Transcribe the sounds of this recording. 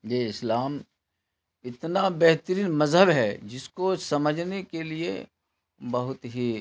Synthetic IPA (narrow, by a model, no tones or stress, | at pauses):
jeːɪslaːm | ɪt̪nabɛɦt̪ɾiːnmɐzɦəbɦɛd͡ʒɪskosɐməd͡ʒʱnekelie | bɐɦʊt̪ɦi